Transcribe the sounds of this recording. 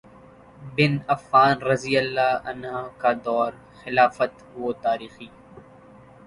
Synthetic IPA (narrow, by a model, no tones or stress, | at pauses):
bɪnɐfːaːnɾɐzijəlːaːɐ̰nɦakad̪ɔːɾ | xɪlaːfət̪ | ot̪aːɾiːxiː